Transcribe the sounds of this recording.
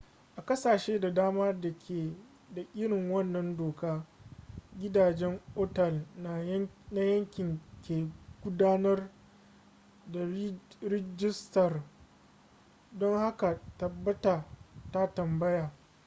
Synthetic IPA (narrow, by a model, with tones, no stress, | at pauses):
ʔa˨kɐ˦saː˨ʃeː˦da˨daː˦maː˦da˨kʰʲeː˨ | da˨ʔʲɪ˦ɽɪ˨ŋwɐ˦nːɐ˦ndoː˨kaː˦ | ɡʲɪ˦daː˨d͡ʒɛ˦ŋoː˦tɐ˨lna˨˦na˦jɐ˦ŋkʲɪ˨ŋkʲeː˨ɡ̥ʷʊ˦daː˦nɐ˦r | da˨ɾɪ˦d͡ʒɪ˦stɐ˨r | dɔ˦ŋha˦ka˨tɐ˨bːɐ˦ta˨ta˦tɐ˨mbɐ˦jaː˨